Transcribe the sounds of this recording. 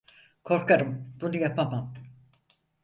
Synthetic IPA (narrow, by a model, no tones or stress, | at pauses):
kʰo̞ɾkaɾɯmb̥unujapʰamam